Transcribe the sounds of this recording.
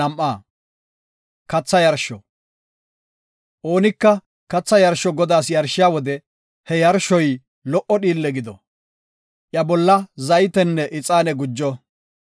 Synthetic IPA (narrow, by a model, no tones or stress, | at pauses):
ɐmʔːaː | kɐt͡sːɐjɐɾʃɔ | ʔo̞ːnɪkːɐ | kɐt͡sːɐjɐɾʃɔɡɔd̪aːsjɐɾʃːɪjaːwɔd̪ɛ | hɛjɐɾʃɔj | lɔʔɔɗiːlːɛɡɪd̪ɔ̰ | ʔjɐbɔlːɐzɐjt̪ɛnːɛʔɪt͡sʼaːnɛɡʊd͡ʒːɔ